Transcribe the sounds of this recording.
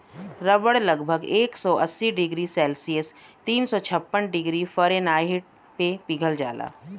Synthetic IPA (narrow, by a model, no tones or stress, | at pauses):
ɾɐbəɽlɐɡbʱəɡeːksɔʔɐ̰sːiɖɪɡɾisɛːlsiəst̪iːnsɔt͡ʃʰɐpːənɖɪɡɾifəɾenaːɦɪʈ̚ | pepiɡʱəld͡ʒa̰ːla̰ː